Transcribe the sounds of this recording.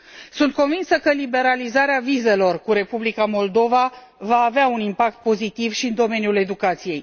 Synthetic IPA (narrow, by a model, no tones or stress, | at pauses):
sunt̪̚ko̞nvinsəkəlibe̞ɾalizaɾeavize̞lo̞rkuɾe̞publikamo̞ld̪o̞va | vaːveaunimpak̚t̪̚po̞zit̪ivʃiɨnd̪o̞me̞njule̞d̪ukat̪sije̞j